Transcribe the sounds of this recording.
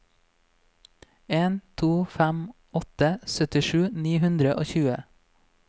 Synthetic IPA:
eːnt̪ʰuːfæm | ɔt̪əsœt̪ɪʃʉːniːhʉnd̪ɾəʔoːçʉːə

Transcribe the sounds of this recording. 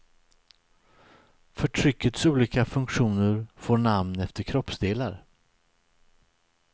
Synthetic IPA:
fœʈʰɾʏkːət̪suːliːkafɵŋkɧuːnəɾfoːɳamnɛft̪əɾkʰɾɔpsd̪eːlaɾ

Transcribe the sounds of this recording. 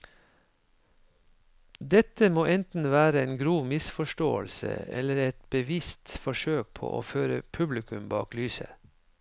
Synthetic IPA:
d̪ɛt̪əmoːʔɛnt̪n̩ʋæːɾəeːnɡɾuːʋmɪsfɔʃʈo̰ːəlsə̰ɛ̰ləɾɛt̪bəʋɪst̪fɔʃøːk̚pʰo̰ːʔo̰ːføːɾəpʰʉblɪkʰʉmbɑ̰ːklyːsə̰

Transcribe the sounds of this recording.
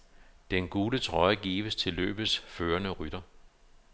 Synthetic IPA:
d̥enɡ̥uːlət͡sʰʁɒ̽ɪəɡ̥ḭːʋəst͡sʰe̝lːø̰ːb̥ðsføːɐnəʁyd̥ɐ

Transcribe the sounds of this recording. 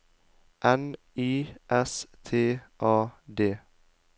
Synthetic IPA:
ʔɛn | iːʔɛst̪ʰeːʔɑːd̪eː

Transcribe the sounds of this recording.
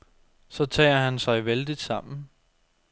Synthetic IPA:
sɒ̽t͡sʰɛ̰ːɐɦænsɑ̈ɪʋeld̥id̥sɑ̈m̰n̩

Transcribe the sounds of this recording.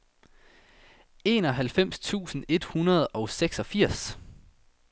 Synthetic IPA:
e̝ːnɒ̽ɦælfem̰st͡sʰṵːsn̩e̝d̥hunɐð̞̩ˠɒ̽ʊseɡ̥sɒ̽fiɐ̰s

